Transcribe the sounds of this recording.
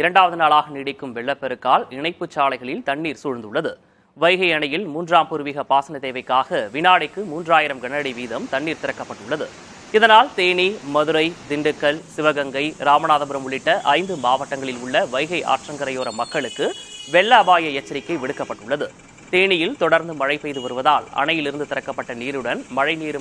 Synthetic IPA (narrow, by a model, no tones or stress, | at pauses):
ɪɾɐɳɖaːʋɐðɯnaːɭaːɣɐnɪɽɪkːɯmʋɛɭːɐpːɛɾɯkːaːlɪɳɐɪpːɯt͡ʃːaːlɐɪɣɐɭɪlt̪ɐɳːiːɾsʊɻnd̪ɯɭːɐðɯ | ʋɐɪɣɐɪɐɳɐjɪlmuːndraːmpuːɾɯʋiːɣɐpaːsɐnɐt̪eːʋɐɪkːaːɣɐʋɪnaːɽɐɪkːɯmuːndraːjɪɾɐmɡɐɳɐɽiʋiːðɐmt̪ɐɳːiːɾt̪ɪɾɐkːɐpːɐʈːʊɭːɐðɯ | ɪðɐnaːlt̪eːɳimɐðɯɾɐɪd̪ɪɳɖɯkːɐɭsɪʋɐɣɐŋɡɐɪɾaːmɐnaːðɐmbʊɾɐmʊɭɪʈːɐʔɐɪnd̪ɯmaːʋɐʈːɐŋɡɐɭɪlʊɭːɐʋɐɪɣɐɪʔa̰ːʈrɐŋɡɐɾɐjoːɾɐmɐkːɐɭɯkːɯʋɛɭːaːbaːjɐɛt͡ʃːɐɾɪkːɐɪʋɪɽɯkːɐpːɐʈːɯɭːɐðɯ | t̪eːnɪjɪlt̪ɔɽɐɾnd̪ɯmɐɻɐɪpːɐjðɯʋɐɾɯʋɐðaːlɐ̰ɳɐjɪlɪɾɯnd̪ɯt̪ɪɾɐkːɐpːɐʈːɐniːɾɯɽɐnmɐɻɐɪniːɾɯ